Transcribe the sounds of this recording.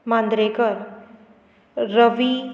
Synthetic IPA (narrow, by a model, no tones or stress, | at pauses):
mãnd̪ɾekʌɾ | rʌʋi